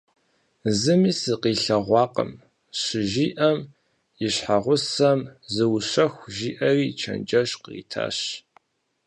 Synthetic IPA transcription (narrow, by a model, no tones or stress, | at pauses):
zɨmiːsɨqiːɬɐʁʷɑːqə̰m | ɕɪʒiːʔɐm | ɪɕħaʁʷʊsɐmzɨwɕɐxʷʒiːʔɐriːt͡ʃʰɐ̰nd͡ʒʼɐɕqrḭːtʰa̰ːɕ